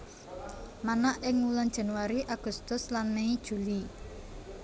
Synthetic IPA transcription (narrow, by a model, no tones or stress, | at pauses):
manaʔɪŋuland̥ʒ̥a̤nuwaɾiʔaɡ̥ṳst̪ʊslanmeid̥ʒ̥uli